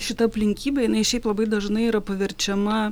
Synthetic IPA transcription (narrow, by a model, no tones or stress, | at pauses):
ʃʲɪt̪ɐɐpʲlʲɪŋʲkʲiːbʲɛːjɪnɐɪʃʲɛɪplˠɐbɐɪd̪ɐʒnɐɪiɾɐpɐʋʲɛɾʲt͡ʃʲɛmɐ